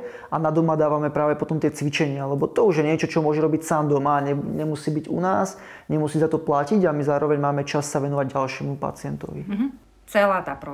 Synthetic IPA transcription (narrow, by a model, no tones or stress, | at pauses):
ʔanad̪ɔmad̪aːʋamɛpɾaːʋɛpɔt̪ɔmt̪ɪɛt͡sʋit͡ʃɛɲɪalɛbɔt̪ɔuʒjɛɲɪɛt͡ʃɔt͡ʃɔmʊɔʒɛɾɔbicsaːmd̪ɔmaɲɛɲɛmusiːbiɟṵnaːs | ɲɛmusiːzat̪ɔplaciɟamizaːɾɔʋɛɲmaːmɛt͡ʃasːaʋɛnɔʋaɟɟalʃɪɛmupa̰t͡sɪɛnt̪ɔ̰ʋiɦ | t͡sɛlaːt̪aːpɾɔ